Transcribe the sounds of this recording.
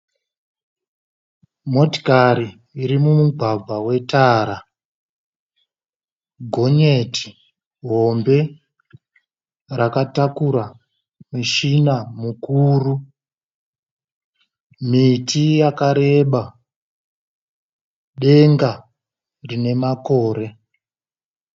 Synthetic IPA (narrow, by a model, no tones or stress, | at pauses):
mo̞ti̥kaɾiː | ɾimumuɡʱwab͡vʱawe̞taːɾa | ɡʱo̞ɲeti̥ | ɦo̞mbe̞ | rakatakuɾa | miʃinamukuːru | mitijakaɾe̞ɓa | ɗe̞ŋɡa | rine̞mako̞ːɾe̞